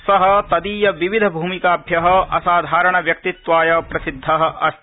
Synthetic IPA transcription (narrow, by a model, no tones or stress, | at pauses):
sɐɦɐ̆t̪ɐd̪iːjɐʋiʋid̪ʱɐbʱuːmikaːbʱjɐɦɐ̆ʔɐ̰saːd̪ʱaːɾɐɳɐʋjɐk̚t̪it̪ʋaːjɐpɾɐsid̪ʱːɐɦɐ̆ɐ